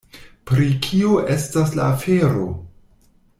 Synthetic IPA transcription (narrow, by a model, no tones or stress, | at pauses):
pɾikʰioʔe̞staslaːfeɾo̞̰